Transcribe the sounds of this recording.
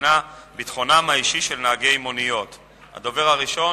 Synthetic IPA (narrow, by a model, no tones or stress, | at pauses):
nabit̪χo̞namaiʃiʃelnaːɡe̞imonijo̞t̪ | ha̰d̪o̞ve̞ʁaʁiʃo̞